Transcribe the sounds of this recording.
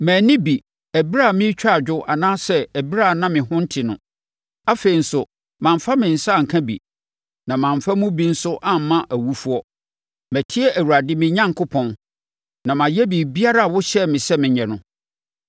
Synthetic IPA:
mæ̃ː˨nɪ̃˦bi˨ | æ˨bi˦ɾa˦˨mɪ̃˦t͡ɕᶣa˦˨d͡ʑᶣʊ˦ʔa˨nãː˦sɛ˦æ˨bi˦ɾa˦˨nã˦mɪ̃˨ɦʊ̃˦n̩˦tʰɪ˨nʊ̃˨ | a˦fe˨i˨n̩˦sʊ˨ | mã˨m˨fa˦mɪ̃˨n̩˨sa˦˨ŋ̩˨kʰã˦bḭ˨ | nã˨mã˨ɱ˨fa˦mʊ̃˦bi˦n̩˦sʊ˦ʔã˦m˨mːã˦ʔæ˨wu˦fu˦ɔ˦ | mæ˨tʰi˦ɛ˦ʔæ˨wu˨ɾa˨dɪ˦mɪ̃˨ɲã˦ŋkʰʊ˦pʰɔ̃˦˨n | nã˨mã˨jɛ˦bi˨bi˦a˦ɾa˦a˨wʊ˦ɕɛ˦mɪ̃˨sɛ˦mɪ̃˨ɲɛ̃˨nʊ̃˦

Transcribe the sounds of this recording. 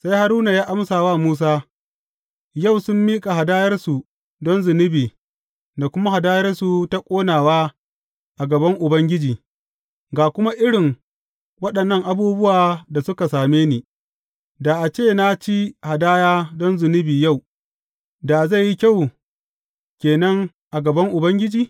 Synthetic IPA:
sa˦jha˨ɾuː˦na˨jaː˦ʔa˦msaː˨waː˦muː˦s̬aː˦ | ja˦˨wsʊ˦mːiː˦kʼa˨ha˨daː˦jɐ˦rsu˨ | dɔ˦nzɪ˨nɪ˦biː˨ | da˨kʷʊ˦ma˦ha˨daː˦jɐ˦rsu˨ta˦kʷʼoː˦naː˨waː˦ | ʔa˨ɡɐ˨bɐ˦ŋʔʊ˨bɐ˦ŋɡʲɪ˦d͡ʒiː˨ | ɡaː˨kʷʊ˦ma˦ʔɪ˦ɽɪ˨ŋ | wɐ˦ɗɐ˨nːɐ˦˨ŋʔa˨buː˦bʊ˦waː˨da˨sʊ˦ka˨saː˨meː˦niː˨ | da˨ʔa˨t͡ʃeː˦˨na˦t͡ʃi˦ha˨daː˦jaː˦dɔ˦nzʊ˨nɪ˦biː˨ja˦˨w | da˨za˦˨jːi˦kʲa˦˨w | kʲeː˨nɐ˦ŋ | ʔa˨ɡɐ˨bɐ˦ŋʔʊ˨bɐ˦ŋɡʲɪ˦d͡ʒiː˨

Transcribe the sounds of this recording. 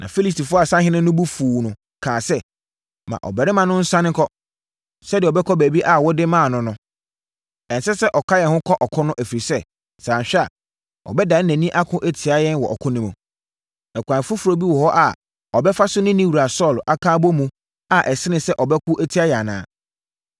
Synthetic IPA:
nʔã̰˨fi˦li˦sti˨fʊ˦a˨sã˦hɪ̃˦nɪ̃˦nʊ̃˦bu˦fuː˨nʊ̃˨ | kʰãː˨sɛ˦ | mã̰˨ʔɔ̰˨bɛ˨ɾɪ˦mã˦˨nʊ̃˦n̩˦sã˦nɪ̃˦kʰɔ˦ | sɛ˦dɪ˨ɔ˨bɛ˦kʰɔ˦bæ˨bi˦ʔa˨wɔ˦dɪ˦mã˦˨nʊ̃˦nʊ̃˦ | ɛ̃˨nsɛ˦sɛ˦ʔɔ˨kʰa˦jɛ˨hʊ̃˦kʰɔ˦ʔɔ˨kʰɔ̃˦nʊ̃˦ʔæ˨fi˨ɾi˨sɛ˦ | sãː˨n˨ɕᶣɛ˦a̰˨ | ɔ̰˨bɛ˦da˨˦næ̃˨nĩ˦ʔa˦kʰʊ̃˦ʔe˨tʰi˨a˦jɛ˦nwɔ˨ʔɔ̰˨kʰʊ̃˦nɪ̃˦mũ˨ | ɛ˨kʷã˨fʊ˦fʊ˨ɾo˦bi˦wɔ˨hɔ˦ʔa˨ | ɔ˨bɛ˦fa˦sʊ˦nɪ̃˦nĩ˦wu˨ɾa˨sɔ˦˨la˦kʰãː˦bɔ˦mũ˦ | a˨ʔɛ˨sɪ˦nɪ̃˨sɛ˦ʔɔ˨bɛ˦kʰʊ˦ʔæ˦tʰi˨˦a˦jɛ˨a˨nã̰ː˨˦˨

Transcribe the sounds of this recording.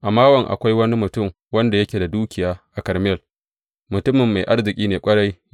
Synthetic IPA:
ʔa˨maː˦wɐ˨ŋʔa̰˨kʷa˦jwɐ˦ni˦mʊ˨tʊ˦˨m | wɐ˦nda˨jɐ˦kʲeː˨da˨duː˦kʲɪ˨jaː˦ʔa˨kɐ˨ɾm˦ɛ˦˨l | mʊ˨tʊ˦mɪ˨mːa˨jʔa˦rzɪ˨kʲʼiː˦neː˨kʷʼɐ˦ɽa˦j

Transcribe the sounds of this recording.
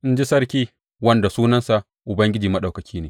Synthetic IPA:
ʔɪ˦nd͡ʒi˦sɐ˦ɾkʲiː˦ | wɐ˦nda˨suː˦nɐ˦nsa˨ʔ | ʔʊ˨bɐ˦ŋɡʲɪ˦d͡ʒiː˨mɐ˦ɗa˨wkɐ˨kʲʰiː˦neː˨

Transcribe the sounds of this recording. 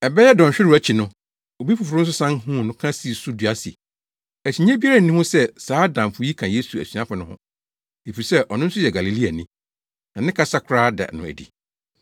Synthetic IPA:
ɛ˨bɛ˦jɛ˦dɔ̃˨ɲ˨ɕᶣɪ˦ɾæ˦t͡ɕʰi˨nʊ̃˦ | o˨bi˦fʊ˨fʊ˨ɾʊ˦n̩˦s̬ʊ˦sã˦ŋhũ˦˨nʊ̃˦kʰã˦si˨su˦du˨a˦sḭ˨ | æ˨ɕi˨ɲẽ˦bi˦a˦a˦n̩˨nĩ˦hʊ̃˦sɛ˦saː˨˦dã˨m˨fʊ˨˦ji˦kʰã˨je˦su˨æ̰˨sɥa˦fʊ˨nʊ̃˦hʊ̰̃˦ | e˨fi˨i˨sɛ˦ʔɔ˨nʊ̃˦n̩˦sʊ˦jɛ˨ɡa˨li˨li˦a˨nĩ˦ | nã˨nɪ̃˦kʰa˦sa˦kʰʊ˨ɾaː˦dɛ̰˨nʊ̰̃˨æ̰˨dḭ˨

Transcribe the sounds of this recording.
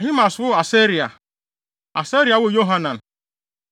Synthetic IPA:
ɦɪ˦ma˨sʊ˦a˨se˦ɾi˨a˨ | a˨se˦ɾi˨a˨wʊ˦˨jo˦ɦa˦na˨n̩˨

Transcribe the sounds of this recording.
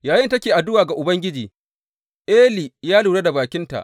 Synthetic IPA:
jaː˨jɪ˦ntɐ˦kʲeː˨ʔa˨dʊ˦waː˨ɡa˨ʔʊ˨bɐ˦ŋɡʲɪ˦d͡ʒiː˨ | ʔeː˦li˨jaː˦luː˨ɽa˦da˨baː˨kʲɪ˦nta̰˨ʔ

